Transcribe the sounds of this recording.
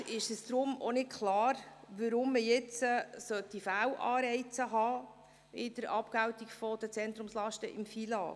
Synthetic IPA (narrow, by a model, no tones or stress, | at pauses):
ɪʃəsd̥̪ɾʊmɔ̰nɪt̚kʰlɑːɾ | ʋəɾʊmːəjɛt͡səsœt̪ifæːwʔɑːɾɛɪt͡səɦɑː | ɪd̥əɾɑpkæwt̪ikfɔd̥ət͡sɛnt̪ɾʊmslɑʃtəʔɪmfilɑ̰ː